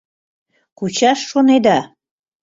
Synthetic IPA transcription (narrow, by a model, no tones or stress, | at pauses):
kut͡ɕɑʃːoned̪ɑ